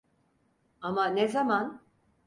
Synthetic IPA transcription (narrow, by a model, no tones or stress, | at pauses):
amanezaman